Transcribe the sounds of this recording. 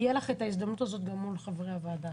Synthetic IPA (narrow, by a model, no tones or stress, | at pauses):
jelaχe̞t̪ais̬d̪amnutazo̞t̪ɡamulχavʁeavaːd̪a